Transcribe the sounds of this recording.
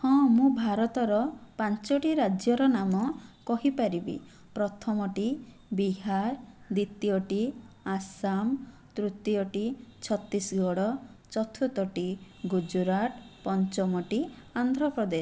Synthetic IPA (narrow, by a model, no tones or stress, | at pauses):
hɔ̃mũbʱaɾɔt̪ɔɾɔpant͡ʃɔʈiɾad͡ʒjɔɾɔnamɔkɔɦipaɾibḭ | pɾɔt̪ʰɔmɔʈi | biɦaɾd̪it̪ijɔʈi | asam | t̪ɾut̪jɔʈit͡ʃʰɔt̪ːisɡɔɽɔ | t͡ʃɔt̪ʰut̪ɔʈi | ɡud͡ʒuɾaʈpɔnt͡ʃɔmɔʈiand̪ʱɾɔpɾɔd̪es